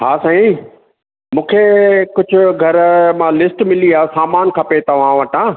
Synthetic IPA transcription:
ɦaːsãːĩ | mũːkʰekʊd͡ʑʱʊɡʱɐɾmãlɪsʈmɪliaːsaːmaːnkʰɐpet̪ɐʋ̤ãʋɐʈãː

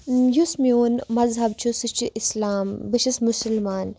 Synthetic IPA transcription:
jusmioːnmɐzɦɐbt͡ʃʰusɨt͡ʃʰiʔislaːmbɨʃismʊsɐlmaːn

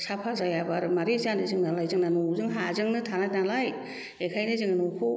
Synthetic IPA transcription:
sapʰazajabaɾmaɾizandɯzɯŋnalajzɯŋnanuzɯŋɦazɯŋnɯtʰanat̚nalaj | ekʰajnɯzɯŋanukʰo

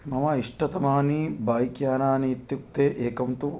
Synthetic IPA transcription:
mɐmɐiʂʈɐt̪ɐmaːnibaːjikjaːnaːniːt̪juk̚t̪eːʔeːkɐmt̪u

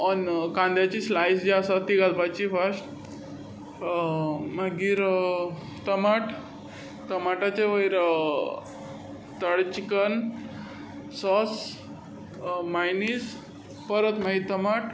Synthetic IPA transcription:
ɔnkãnd̪jat͡ɕiːslajsd͡ʑiasat̪iɡad̪bat͡ɕifəɾsʈ | maɡiːɾ | t̪əmaʈ | t̪əmaʈat͡ɕeʋəjɾ | t̪əɽt͡ɕikən | sɔs | majnis | pəɾət̪maɦit̪əmaʈ

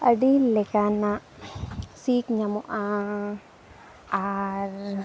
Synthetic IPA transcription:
ɐɖilekanã | siːkɲamuʔã | aɾ

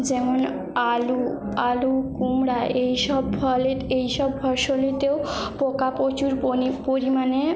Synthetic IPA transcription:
d͡ʑemun | alu | alukumɽaʔejʃɔbbʱəlet̪ejʃɔbbʱəʃolit̪ewpokapot͡ɕuɾopoɾimane

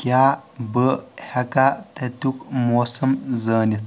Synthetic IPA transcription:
kjaːbəhɐkat̪ɐt̪ukmoːsɐmzəːnit̪ʰ

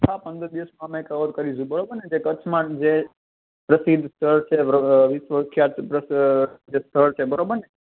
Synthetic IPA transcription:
t̪ʰapənd̪əɾd̪iʋəsmãmãekəʋət̪kəɾid͡ʒũbəɾobəɾned͡ʒekət͡ʃʰmãd͡ʒe | pɾəsid̪ʱst̪ʰəɭt͡ʃʰeʋisʋəkʰjaɾəd͡ʒest̪ʰəɭt͡ʃʰebəɾobəɾne

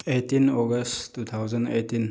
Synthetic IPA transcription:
ejtinɔɡɐsttut̪ʰawzɐnetin

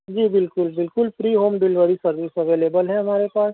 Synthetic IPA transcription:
d͡ʒiːbɪlkʊlbɪlkʊlpɾiːɦoːmɖɪlʋəɾisɐɾʋiːsɐʋeːleːbəlɦɛ̃ɦɐmaːɾepaːs

